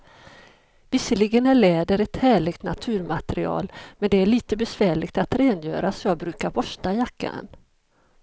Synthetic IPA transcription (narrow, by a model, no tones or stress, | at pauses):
vɪsːəɭɪɡənæɭɛːd̪əɾɛt̪hæːɭɪɡt̪na̰t̪ʰʉ̟ːɾmat̪ɛɾɪɑ̰ːlmɛnd̪ɛæɭiːt̪əbɛsvæːɭɪɡt̪at̪ɾɛːnjø̰ːɾasɔjɑːɡbɾʉ̟ːkaɾbɔʂʈajakːa̰ə̰n